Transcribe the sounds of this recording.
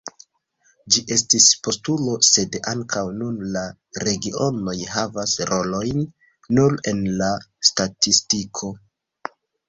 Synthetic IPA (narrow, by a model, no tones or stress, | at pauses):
d͡ʒiʔe̞stispo̞stulo̞se̞daŋkʰawnunla | ɾe̞ɡiʔo̞no̞jhavasɾʔo̞lo̞jnː | uɾe̞nlastatistikʰo̞